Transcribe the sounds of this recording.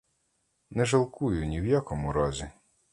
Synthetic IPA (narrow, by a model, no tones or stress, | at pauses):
nɛʒɐlˠkujʊnʲiwjakɔmʊɾɔzʲi